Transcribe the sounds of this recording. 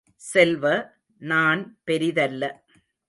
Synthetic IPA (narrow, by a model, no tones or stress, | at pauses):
sɛlʋɐ | naːnpɛɾɪðɐlːɐ